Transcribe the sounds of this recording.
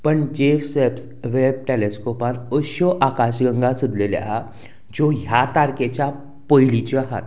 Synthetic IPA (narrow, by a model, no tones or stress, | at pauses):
pəɳd͡ʑefseps | ʋeb̚ʈeleskopãnəʃoʔakaɕɡə̃ŋɡãsud̪lelḛʔa | d͡ʑoɦjat̪aɾket͡ɕa | pəjlit͡ɕoaɦa̰t̪